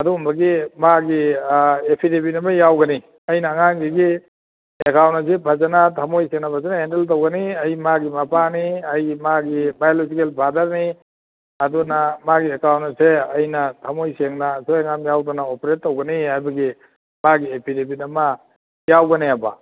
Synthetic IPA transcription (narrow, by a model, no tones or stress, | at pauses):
ɐdumbɐɡimaɡiepʰidepinɐmɐjawɡɐni | ɐjnaːŋanɡiɡi | ekawntas̬epʰazanatʰamojseŋnɐpʰazanaendeltowɡɐniɐjmaɡimɐpaniɐjmaɡibajolozikelbʰʱadɐɾni | ɐdunamaɡiekawntseɐjnɐtʰɐmojseŋnaːsoeŋamjawdɔnaopɾetːowɡɐnihajbɐɡi | maɡiepʰidepinɐmɐ | jawɡɐneaba̰